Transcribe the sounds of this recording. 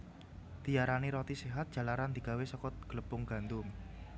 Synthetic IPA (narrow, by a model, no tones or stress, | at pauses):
d̪̥i̤jaɾaniɾɔt̪iseɦat̪̚d̥ʒ̥ä̤laɾand̪̥i̤ɡ̥awesɔkɔt̪̚ɡ̥ələb̥ʊŋɡ̥a̤nd̪ʊm